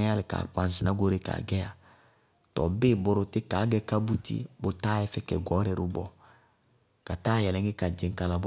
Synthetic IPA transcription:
a˦lɪ˨ka̰˨k͡pa˨n˨sɪ˨na˦ɡo˦ɾe˦ka̰˨ɡɛ˦a˨ | tɔ̰˨be˦˨bɔ˦ɾʊ˨˦tɪ˦ka˨˦ɡɛ˦ka˦bu˦tḭ˦bo˦ta˦ɛ˦fɛ˦kɛ̰˨ɡɔ˨˦ɾɛ˨ɾu˦bɔ˨ | ka˨taː˦jɛ˨lɛ˨˦ɡɪ˦ka˨d͡ʒe˨ŋ̩˦ka˨la˨b

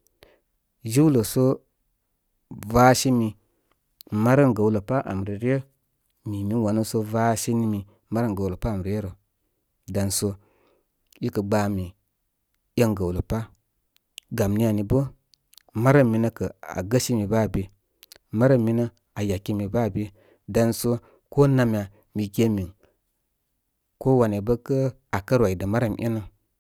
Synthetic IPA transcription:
d͡ʒi˦wlə˨so˦ | va˦ʃi˦mi˨ | ma˦ɾə˦ŋɡə˨wlə˨pa˦ʔa̰˨m˨ɾi˨ɾi˦ə˦ | mi˨mi˦n˦wa˨nə˦so˦va˦ʃi˦ni˦mi˨ | ma˦ɾə˦ŋɡə˨wlo˨pa˦a˨m˨ɾi˨˦je˦ɾo˨ | da˨nso˦ | i˦kə˨ɡ͡baː˨˦mi˨ | jə˦ŋɡə˨wlə˨pa˦ | ɡa˨mni˦a˨ni˨bə˦ | ma˦ɾa˦mːi˨nə˦kə˨a̰˨ɡə˦ʃi˦mi˨ba˦˨bi˨ | ma˦ɾə˦mːi˦nə˦ | a˨ja˨ki˦mi˨ba˦˨bi˦ | da˨nso˦ | ko˦na˨mʲ˨a˨ | mi˨kʲe˦mi˨ŋ | ko˦wa˨ne˨bə˦kə˦ | a˨kə˦ɾwa˨i˨də˨ma˦ɾa˦˨mʔḭ˦nə˦

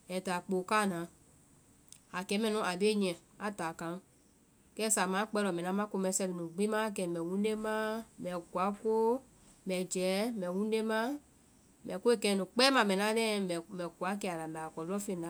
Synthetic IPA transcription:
ɛ˨ta˨k͡po˨ka˦˨nã˨˦ | a˨kɛ˨˦mɛ̃˨nũ˨˦a˨be˦ɲɛ̃˨ | a˨ta˨kã˨˦ | kɛ˦sa˨mã˨˦k͡pɛ˧lɔ˨mɛ̃˨nã˨˦mã˦ko˧mɛ̃˨˦sɛ˧li˨nũ˨ɡ͡bi˦mã˦˨k̬ɛ˨mɛ̃˨wũ˦de˦mã˦mɛ̃˨kwa˨˦ko˦ | mɛ̃˨d͡ʒɛː˨˦mɛ̃˨wũ˦e˦mã˦ | mɛ̃˨ko˦e˦kɛ˧˨˦nũ˨k͡pɛː˦mã˨mɛ̃˨nã˦lɛ̃˦mɛ̃˨mɛ̃˨ku˨a˨˦k̬ɛ˧˨a˨la˨mɛ̃˨a˨kɔ˨lɔ˦fẽ˨nã˨˦

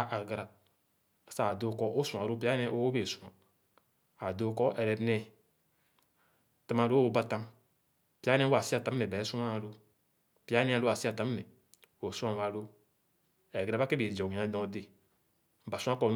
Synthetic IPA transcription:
ʔa˨ɡɾa˨ | sa˦˨do˦˨kɔ˦ʔo˦sũ˨a˨ɾo˦p̬i˦a˦nɛ˦ʔo˦o˦be˨su˨a̰˨ | a˨do˦˨kɔ˦ʔɛ˨ɾɛ˨˦nɛ˧ | ta˦ma˧˨ɾo˦o˦ba˧tã˦m | pi˦a˦nɛ˦wa˨si˦a˨ta˨˦m˦ɛ˨ba˨ɛ˦su˦a˦˨ɾo˦ | pi˦a˦nɛ˦a˨ɾo˦a˨si˦a˨ta˨˦m˦nɛ˨ | o˨sũ˦a˨wa˧ɾo˦ | ɛ˨ɡɾa˨ba˦ke˦be˨d͡ʒɔ˨i˨ã˨˦dɔ̃˧˨de˨ | ba˨sũ˦ã˦kɔ˨n

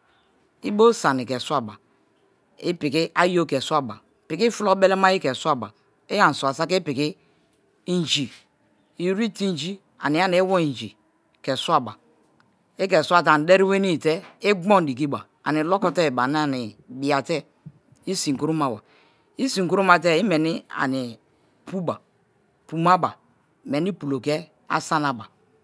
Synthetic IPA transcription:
i˦bo˦sa˨ni˨ke˨sʷa˦˨ba˨ | i˦pi˨ki˦a˦jo˦ke˨sʷa˦ba̰˨ | pi˨ki˦fu˦lo˦be˦le˦ma˦i˦ke˨swa˦˨ba̰˨ | e˦ja˨n̩˨sʷa˨sa˦ke˦pi˨ki˦ | n˦d͡ʒi˨ | i˦ɾi˦ti˦n˦d͡ʒi˦ | a̰˨ni˨˦a˦ni˨˦wo˦i˨n˨d͡ʒi˨ | ke˨swa˦ba˨ | e˦kɛ˨su˦a˦ta˨n˨˦de˦ɾi˦we˦ni˦˨te˦e˦ɡɔ˦n˨di˨k̬i˦ba̰˨ | a̰˨ni˨lɔ˦kɔ˦te˦˨ba˨n˦a˨ni˨bi˨a˨tɛ˦ | i˦si˨ŋ̩˨ku˦ɾu˦ma˨a̰˨ | i˦si˨ŋ˨ku˦ɾu˦ma˨te˦i˦me˨ni˦a̰˨ni˨ | pu˦ba˨ | pu˨ma˦ba˨ | me˨ni˦pu˨lo˨ke˦ | a̰˦sa˦na˨ba˨

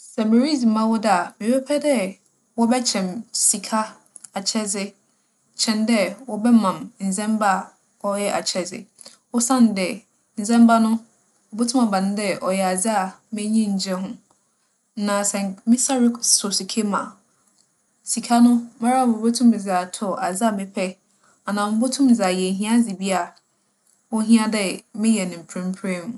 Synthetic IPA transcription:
sɛ˨me˨ɾi˦d͡zi˨mã˦wɔ˦da˨mĩ˨bɛ˦pʰɛ˦dɛ˦ | wɔ˦bɛ˦t͡ɕʰɛ̃˨msi˨kʰa˦ | a˨t͡ɕʰɛ˦zɪ˦ | t͡ɕʰɛ̃˨ndɛ˦wɔ˦bɛ˦mã˨mn̩˨zɛ̃˦mba˦˨ | ɔ˦jɛ˦ʔa̰˨t͡ɕʰɛ˦zɪ̰˨ | wɔ˦sã˦n˨˦dɛ˨ | n̩˨zɛ̃˦m˦ba˦nʊ̃˦ | ɔ˨bo˦tʰʊ̃˦mã˨bã˨nʊ̃˦dɛ˦ʔɔ˨jɛ˨a˨d͡zɪ˦a˨mɪ̃˦ɲĩ˦ɲ̩˨d͡ʑɛ˦hʊ̃˦ | nã˨sɛ̃˨ŋmɪ̃˦sa˦ɾɪ˦sɔ˨si˨kʰe˦mã̰˨ | si˨kʰa˦nʊ̃˦ma˦ɾa˦˨bo˨bo˦tʰũ˦m˨za˨tʰɔ˨a˨d͡zɪ˦a˨mɪ̃˦pʰɛ˦ | a˨nã˨m̩˦bo˦tʰʊ̃˦m˨za˨jɛ˨ɦĩ˦a˦d͡zɪ˨bi˦a˨ | ɔ˦ɦĩ˦ã˦dɛ˦mɪ̃˦jɛ˨nɪ̃˨m̩˨pʰɾɪ̃˦m̩˦pʰɾe˦m̃˨

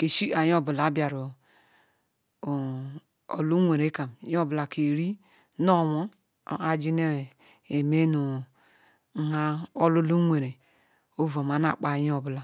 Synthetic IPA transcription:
ke˨ʃi˦a˨jo˦˨bu˨la˨˦bja˨ɾo˨ | o̰˨lu˦ŋʷe˨ɾe˨˦ka˨m˦jo˦bla˨ke˨ɾi˦ | no˦˨wo̰˦˨ | a˨d͡ʒi˦ne˦˨ | e˨me˦nu˨˦ | ha˦o˦lu˦lu˦ŋʷe˨ɾe˨ | o˦vo˨ma˨na̰˦˨k͡pa˨jo˨bla˨

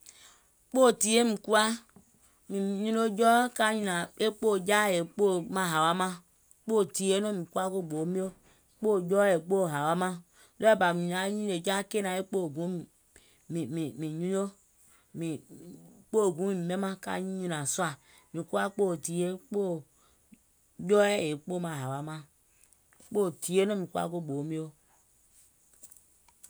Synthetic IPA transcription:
k͡po˦˨ti˨je˦mĩ˨ku˦a˦ | mi˨ɲũ˦no˦d͡ʒɔ˦ka˦ɲũ˦na˨e˦k͡po˦˨d͡ʒa˦˨je˨k͡po˦˨mã˨ɦa˨wa˦mã˦ | k͡po˦˨ti˨je˦no˦˨mĩ˨ku˦a˦ko˦˨ɡ͡bo˨˦mi˦o˦ | k͡po˦˨d͡ʒɔ˦je˨k͡po˦˨ɦa˨wa˦mã˦ | lo˦e˦ba˨mĩ˨ɲ˨a˨˦ɲũ˦e˨d͡ʒa˦ke˦na˨e˦k͡po˦˨ɡũ˨˦˨ | i˨mi˨mĩ˨ɲũ˦o˦ | mi˨ | k͡po˦˨ɡũ˨˦mĩ˦˨i˨me˦mã˦ka̰˦˨ɲĩ˦ɲũ˦nã˨su˦a˨ | mĩ˨ku˦a˦k͡po˦˨ti˨je˦k͡po˦˨ | d͡ʒɔ˦e˦e˨k͡po˦˨mã˨ɦa˨wa˨˦mã˦ | k͡po˦˨ti˨je˦no˦mĩ˨ku˦a̰˦ko˦˨ɡ͡bo˨˦mĩ˦o˦

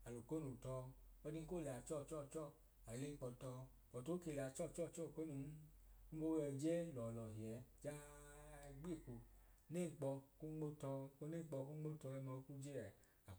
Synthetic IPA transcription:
a˨lo˨ko˦nu˨tɔ˧ɔ˧di˧˦ko˦˨la˨t͡ʃɔ˦˨t͡ʃɔ˦˨t͡ʃɔ˦˨ | a˨le˦k͡pɔ˧tɔ˧ | k͡pɔ˨to˨˦ke˧˨la˨˧t͡ʃɔ˦˨t͡ʃɔ˦˨t͡ʃɔ˦˨ko˦nu˧˨˦ | ku˦o˦wɛ˧˨d͡ʒɛ˦lɔ˨lɔ˨hi˨ɛ˨d͡ʒa˦˧ | ɡ͡be˦˨ku˧ne˦˨ŋ͡m̩˨k͡pɔ˧ku˦ɡ͡bo˦tɔ˧ko˧˦ne˦˨k͡pɔ˧ku˦ɡ͡bo˦tɔ˧ɛ˧mɔ˧˦ku˦d͡ʒe˦ɾɛ˨ | a˨

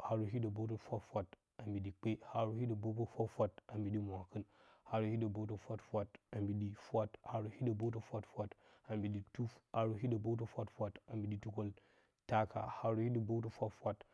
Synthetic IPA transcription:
ha˨ɾu˨ɦi˦da˨bo˦t̬o˦fʷa˦fʷa˦t | a˨mbi˨di˨k͡pe˦ha˨ɾu˦hi˦da˨bo˦po˦fʷa˦fʷa˦ta˨mbi˨di˦mʷ˨a˨kɨ˦nha˨ɾu˨hi˦da˨bo˦to˦fʷa˦tfʷa˦ta˨mbi˨di˦fʷa˦tha˨ɾu˨hi˦da˨bo˦t̬o˦fʷa˦tfʷa˦ta˨mbi˨di˦tu˦fa˨ɾu˨ɦi˦da˨bo˦t̬o˦fʷa˦tfʷa˦ta˨mbi˨di˦tu˦ko˦l | ta˦ka̰˨ha˨ɾu˨hi˦di˨bo˦to˦fʷa˦fʷa˦t

